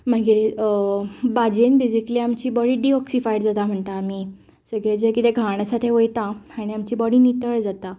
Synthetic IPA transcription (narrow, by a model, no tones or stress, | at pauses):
məɡiɾ | bad͡ʑenbid͡zikliːamt͡ɕiːbɔɽiːɖiɔksifajɽd͡zat̪am̤əɳt̪aːmiː | səɡɭed͡ʑekit̪eɡʱaɳ̃asat̪ʰeʋojt̪aaɽ̃iamt͡ɕiːbɔɽinit̪əɭd͡zat̪a